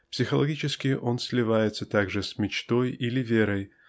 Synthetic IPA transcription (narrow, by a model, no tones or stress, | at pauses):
psʲɪxəlˠɐɡʲit͡ɕɪskʲɪʔo̞nsʲlʲɪvajɪt̪sət̪aɡʐɨsʲmʲɪt͡ɕt̪o̞jilʲɪvʲeɾəj